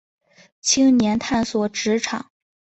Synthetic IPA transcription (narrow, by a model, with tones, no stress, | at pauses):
t͡ɕʰi˥ŋnjɛ˧˥nt̪ʰa˥˩nswɔ˨˩ʈ͡ʂɻ̩˧˥ʈ͡ʂʰɑ̰˨˩˦ŋ